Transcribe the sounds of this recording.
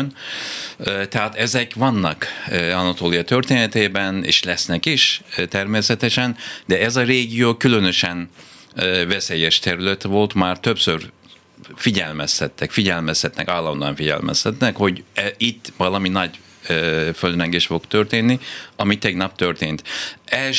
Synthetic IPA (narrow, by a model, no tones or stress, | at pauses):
n | t̪ɛɦaːt̪ɛzɛkʋɒnːɒkɒnɒt̪oːlijɒt̪ø̞rt̪eːnɛt̪eːbɛnḛːʃlɛsnɛkiʃt̪ɛrmeːsɛt̪ɛʃɛnd̪ɛɛzɒreːɡijoːkylø̞nø̞ʃɛn | vɛseːjɛʃt̪ɛɾylɛt̪vo̞lt̪maːrt̪øpsør | fiɟɛlmɛst̪ɛt̪ːɛkfiɟɛlmɛst̪ɛt̪nɛ̰kaːlːɒnd̪oɑ̰ɱfiɟɛ̰lmɛ̰st̪ɛt̪nɛkho̞ɟɛit̪ːʋɒlɒminɒɟ | føld̪rɛŋɡeʃfo̞kt̪ørt̪eːnːiɒmit̪ɛɡnɒp̚t̪ø̞rt̪eːnt̪ɛl